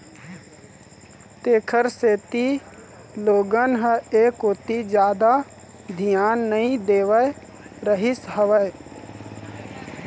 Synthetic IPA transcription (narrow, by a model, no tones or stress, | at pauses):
t̪eːkʰəɾseːt̪i | loːɡənɦəeːkot̪id͡ʒjaːd̪a | d̪ʱɪjaːnːəɦĩd̪eːʋə | ɾəɦɪsɦəʋəj